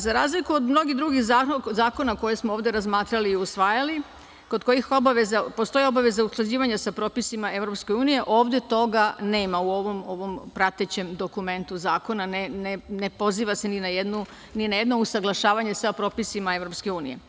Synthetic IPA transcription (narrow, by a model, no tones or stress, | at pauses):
zaɾaːzlikuod̪mno̞ɡid̪ɾuɡiɣzazaːko̞nako̞jesmooːʋd̪eɾazmaːt̪ɾaliːusʋaːjali | ko̞d̪ko̞jixo̞baʋezapo̞st̪o̞jio̞baʋe̞zausklˠad͡ʑiːʋaɲasapɾo̞ːpisimae̞ʋɾo̞pske̞uːnije̞ʔo̞ːʋd̪e̞t̪o̞ɡane̞ːmauo̞ʋo̞mo̞ʋo̞mpɾat̪et͡ɕe̞md̪o̞kume̞nt̪uzaːko̞nanenene̞po̞ziːʋase̞ninajed̪nu | ninaje̞d̪no̞usaɡlˠaʃaːʋaɲesapɾo̞ːpisimae̞vɾopske̞uːnḭje̞̰